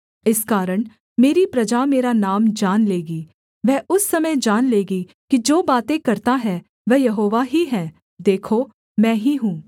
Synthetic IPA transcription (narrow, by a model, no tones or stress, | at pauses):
ɪskaːɾəɳ̃ | meːɾipɾɐd͡ʒaːmeːɾaːnaːmd͡ʒaːnleːɡiː | ʋɛːʊsːəmə̃d͡ʒaːnleːɡiː | kid͡ʒoːbaːt̪ẽːkəɾt̪aɦɛː | ʋɛːjəɦoːʋaːɦiːɦɛ̃ː | d̪eːkʰoː | mɛ̃ːɦiːɦũː